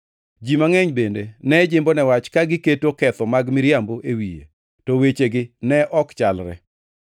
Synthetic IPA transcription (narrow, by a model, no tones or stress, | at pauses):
d͡ʒimaŋɛɲbendenɛd͡ʒɪmbonɛwat͡ʃkaɡɪketokɛt̪ɔmaɡmɪɾjamboʔewijḛ | tɔwet͡ʃeɡɪnɛʔɔkt͡ʃalɾɛ̰